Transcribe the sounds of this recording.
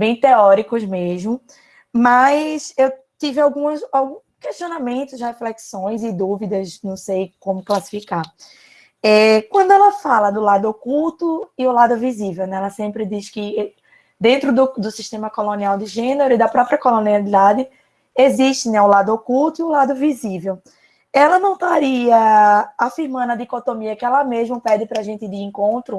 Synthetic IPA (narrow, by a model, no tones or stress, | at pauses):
bẽj̃t̪eɔɾikʊzmeʒmʊ | mɐsew | t̪ivɪawɡũɐsawɡũ | keʃt̪ionamẽnt̪ʊsheflɛksõj̃zɪd̪uvid̪ɐznɐ̃w̃sejkõmʊklasi̥fika | ɛkwɐ̃nd̪ʊɛlɐfalɐd̪ʊlad̪ʊokuwt̪ʊiʊlad̪ʊvizivewnɛɛlɐsẽpɾɪd̪iʃkɪ | d̪ẽnt̪ɾʊd̪ʊd̪ʊsiʃt̪ẽmɐkolõniawd̪ɪʒẽneɾʊid̪ɐpɾɔpɾiɐkolõnialid̪ad̪ɪ | eziʃt̪ɪnɛʊlad̪ʊokuwt̪ʊiʊlad̪ʊvizivew | ɛlɐnɐ̃w̃t̪aɾiɐafiɾmɐ̃nd̪ʊɐd̪ikot̪omiɐkɪɛlɐmeʒmʊpɛd̪ɪpɾɐʒẽnt̪ɪd̪ɪẽŋkõnt̪ɾʊ